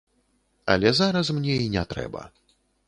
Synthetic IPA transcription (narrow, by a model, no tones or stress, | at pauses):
ɐ̰lʲɛzaɾɐs̬mnʲɛinʲɛt̪ɾɛ̰bɐ̰